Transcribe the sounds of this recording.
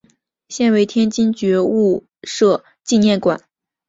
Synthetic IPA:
ɕjɛ˥˩nwe˧˥ɪt̪ʰjɛ˥nt͡ɕi˥nt͡ɕɥɛ˧˥u˥˩ | ʂɤ˥˧ | t͡ɕi˥˧njɛ˥˩nkwa˨˩˦n

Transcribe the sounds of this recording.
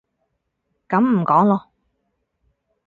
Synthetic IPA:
kɐ˨˥mm̩˨˩kɔː˨˥ŋlɔː˧

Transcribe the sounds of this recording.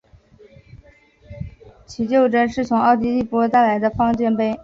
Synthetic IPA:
t͡ɕʰi˨˧˩t͡ɕjo˥˩ʊʈ͡ʂə˥nʂɻ̩˥˩t͡sʰʊ˧˥ŋɑ˥˩ʊt̪i˧˥li˥˩pɔ˥t̪a˥˩ɪla˧˥ɪd̪ə˧fɑ˥ŋt͡ɕɥɛ˥npe˥˩ɪ

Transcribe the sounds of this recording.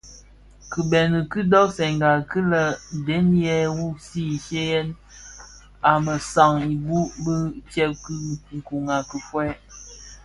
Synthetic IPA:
kɨ˨bɛ˨nə˨kɨ˦dɔ˦ksɛ˨ŋɡa˨kɨ˦lə˦˨de˨˦n˦jɛ˦wu˦si˦˨ʃe˦jɛ˦n | a˨mə˨sa˨ŋi˨bu˦bə˦tɛ˦p̚kɨ˦ŋ̩˨ku˨ŋa˨kə˨fwɛ˦

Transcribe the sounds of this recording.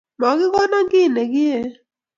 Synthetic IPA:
mɔ˨ɡɪ˦kɔ˦na˦ŋɡɪ˦˨nɛ˨ɡɪ˦e˦

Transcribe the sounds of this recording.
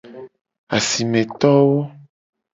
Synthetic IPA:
a˨si˨mẽ˨t̪ɔ˦wo˦

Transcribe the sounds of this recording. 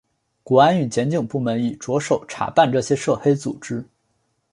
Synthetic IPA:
kwɔ˧˥a˥ny˨˩t͡ɕjɛ˧˥nt͡ɕi˨˩ŋpu˥˩mə˧˥ni˨˩ʈ͡ʂwɔ˧˥ʂo˨˩ʊʈ͡ʂʰa̰˨˩pa˥˧nʈ͡ʂɤ˥˩ɕjɛ˥ʂɤ˥˩xe˥ɪt͡su˨˩ʈ͡ʂɻ̩˥

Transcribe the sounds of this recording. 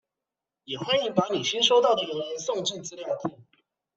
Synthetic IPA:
jɛ˨˩xwa˥ni˧˥pa˧˥ni˨˩ɕi˥nʂo˥ʊt̪ɑ˥˩ʊd̪ə˨ə˧˩ə˧˥nsʊ˥˨ŋʈ͡ʂi˥˨˩t͡sɹ̩˥˧ljɑ˥˨˩ʊt̪ʰi˨˧˥

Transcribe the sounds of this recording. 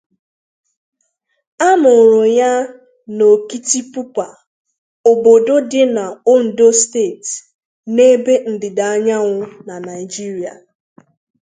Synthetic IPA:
a˦mʊ˨ɾʊ˨ja˦ | no˨ki˦ti˦pu˦kʷa˨ | o˨bo˨do˦dɪ˦na˨o˦n̩˨do˦ste˦˨t | ne˦be˦n̩˨dɪ˨da˨a˦ɲa˦ŋʷʊ˦na˨na˨ɪ˨d͡ʒi˦ɾi˨a̰˨

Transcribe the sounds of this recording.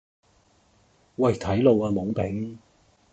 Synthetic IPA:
wɐ˨˩jt̪ʰɐ˨˥jlo˨˧waː˧mʊ˨˥ŋpɪ˨˥ŋ

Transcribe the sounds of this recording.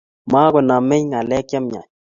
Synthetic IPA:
ma˦ɡʊ˨na˨mɛ˦ɲŋa˨lɛ˦kja˦mɲa̰˨ɲ

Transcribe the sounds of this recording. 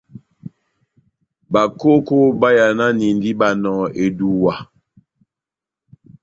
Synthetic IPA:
ba˨ko˦ko˦ba˦ja˨na˦ni˨n˨di˦ba˨nɔ̃ː˨e˨du˨wa˨

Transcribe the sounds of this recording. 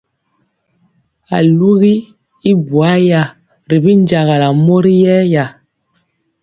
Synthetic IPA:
a̰˨lu˦ɣi˦ | i˦bwa˦ja˨ | ɾi˨bi˦nd͡ʒa˨ɣa˨la˨mo˦ɾi˦jɛ˦ja˨

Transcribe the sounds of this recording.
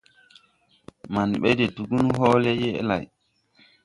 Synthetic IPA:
ma˨nɓɛ˦dɛ˨du˨ɡu˦nɦɔː˦lɛ˦jɛ˦ɛ̰˦la̰˨j

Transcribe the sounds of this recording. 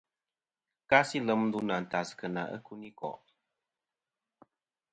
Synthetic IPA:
ka˦si˦lə˨˦m˦du˦na˨n̩˨ta˨skə˨na̰˨ʔə̰˦ku˦ni˦kɔ̰˨ʔ

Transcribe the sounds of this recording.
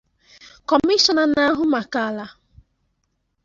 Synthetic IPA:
kɔ˨mi˦ʃɔ˨na˨na˦ɦʊ˦ma˨ka˦˨la˦

